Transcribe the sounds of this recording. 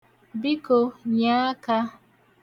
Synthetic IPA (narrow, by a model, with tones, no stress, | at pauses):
bi˦ko˨ɲa˦ka˦